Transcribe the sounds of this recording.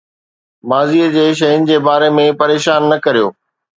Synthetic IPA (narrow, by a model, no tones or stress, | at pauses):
maːziəd͡ʑeːʃ̬ɐɦɪnɪ̆d͡ʑeːbaːɾemẽpɐɾeːʃaːnːɐkɐɾijo̰ː